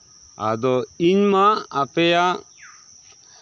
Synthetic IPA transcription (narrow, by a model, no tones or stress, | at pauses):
a̰d̪ɔiɲmaːpeja